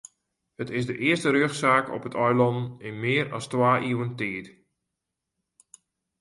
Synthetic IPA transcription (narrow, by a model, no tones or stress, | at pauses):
hətɪsdəʔɪərstəɾøːxsaːkɔ̰pətʰɔjlɔndn̩ɪnmɪəɾɑstwaːʔiwəntiət